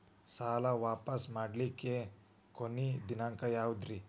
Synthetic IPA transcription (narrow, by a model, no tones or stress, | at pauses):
saːlɐʋaːpɐsmaːɖlikːe | konid̪inaŋkɐjaːwud̪ɾi